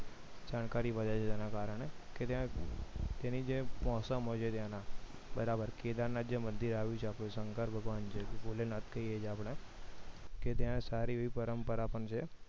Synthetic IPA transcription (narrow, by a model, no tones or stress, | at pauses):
d͡ʒaːnkaːɾiːʋəd͡ʒat͡ʃʰet̪eːnãːkaːɾəɳɛket̪ã | t̪ɛ̃ːnid͡ʒeːmɔːsəmɦot͡ʃʰet̪jãːnãː | bəɾaːbəɾkeːd̪ãːnːãd͡ʒemə̃nd̪iɾaːʋũt͡ʃʰeaːpɽẽsəŋkəɾbʱəɡʋaːnt͡ʃʰeboːlenat̪ʰkəied͡ʒaːpɽ̃ẽː | ket̪̬jãsaːɾiːipəɾəmpəɾaːpəɳt͡ʃʰeː